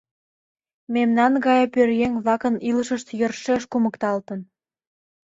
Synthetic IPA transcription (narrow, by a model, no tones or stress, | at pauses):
memnɑnɣɑjɑpørjeŋβɑkə̆niləʃəʃt̪jərʃeʃkuməkt̪ɑlt̪ə̆n